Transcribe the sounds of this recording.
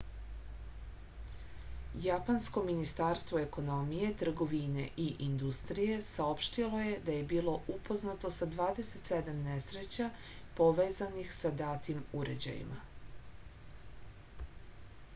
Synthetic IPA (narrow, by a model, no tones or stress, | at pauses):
japansko̞minist̪aːɾst̪ʋo̞e̞ko̞no̞mije̞t̪r̩ɡo̞ʋinḛʔiʔind̪ust̪ɾije̞sao̞pʃt̪ilo̞je̞d̪aje̞biːlo̞ʔupo̞znat̪o̞sad̪ʋaːd̪e̞se̞t̪sed̪amne̞sɾe̞t͡ɕa | po̞ʋeːzanixsad̪aːt̪imuɾe̞̰d͡ʑa̰jḭma̰